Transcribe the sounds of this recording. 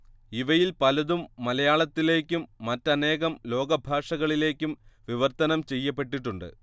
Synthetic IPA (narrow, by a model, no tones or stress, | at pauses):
iʋɐjilpɐlɐðumːɐlɐjaːɭɐt̪ːile̞ːkʲːumːɐtːɐne̞ːɣɐmlo̞ːɡɐbʱaːʂɐɣɐɭile̞ːkʲːumʋiʋɐrt̪ːɐnɐmt͡ɕe̞jːɐp̬ːe̞ʈːiʈːuɳɖɨ̰